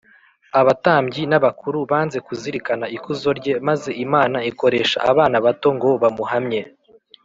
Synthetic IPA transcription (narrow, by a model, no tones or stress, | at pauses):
aβataːmɟinaβakuɾuβaːnze̞kuziɾikanaikuzo̞ɾɟe̞maze̞ʔimaːnaiko̞ɾe̞ʃa̰ʔaβaːnaβato̞ŋɡo̞βamuɦamɲe̞